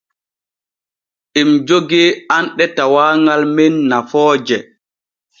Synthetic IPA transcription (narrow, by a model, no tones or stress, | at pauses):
ʔimd͡ʒoɡɛanɗɛtawaːŋalmɛnːafɔːd͡ʒɛ